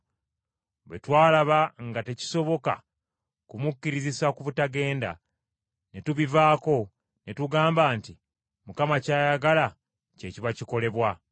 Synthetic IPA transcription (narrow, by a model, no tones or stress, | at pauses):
βwe̞twaːlaβaŋɡate̞ci̥so̞βo̞ka̰ | kumucːiɾizisakuβutaɡe̞ːnda̰ | netuβivaːko̞ | netuɡaːmbaːnti | mukamacaːjaɡala | ce̞ciβaciko̞le̞βwa